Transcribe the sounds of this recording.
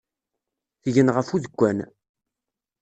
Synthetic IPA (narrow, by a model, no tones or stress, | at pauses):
θʝənʁəfuðəɡʷːæn